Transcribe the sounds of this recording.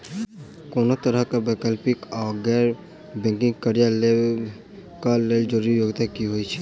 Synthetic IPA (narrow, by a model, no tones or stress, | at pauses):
koːnot̪əɾəɦkabɛkəlpɪkɔːɡɛːɾ | bɛ̃ːŋkɪ̃ŋɡkəɾijale | kaleːld͡ʒoɾijoːɡt̪akiɦoit͡ʃʰɛ